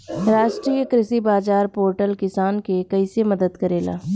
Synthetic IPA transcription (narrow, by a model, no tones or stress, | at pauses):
ɾaːʃʈɾiːəkɾɪsibaːzaːɾpoːɾʈəlkɪsaːnkekɐisemɐd̪əd̪kɐɾeːla̰ː